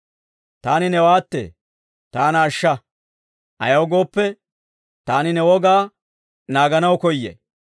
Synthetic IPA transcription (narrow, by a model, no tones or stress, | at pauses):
t̪aːnɪnɛwaːt̪ːḛː | t̪aːnɐːʃːɐ | tɐ̰jɐwɡo̞ːpːɛ | t̪aːnɪnɛwɔɡaː | naːɡɐnɐwkɔjːḛ